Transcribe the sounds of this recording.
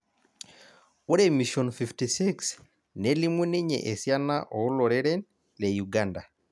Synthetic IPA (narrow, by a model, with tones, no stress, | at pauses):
o˦ɾemi˨ʃɔ˨nfiftisi˦ks | ne˦li˦mwe˦ni˦ɲḛ˨ʔe˨sja˦na˦ʔɔ˨u˦lɔ˨ɾɛ˦ɾɛ˦n | le˨juɡanda˨